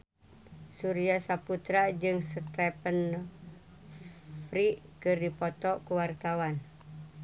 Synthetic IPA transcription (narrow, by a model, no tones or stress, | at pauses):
suɾiasaput̪ɾad͡ʒɨŋsət̪ɛpən | pɾiʔkɨrdipɔt̪ɔkuwart̪awan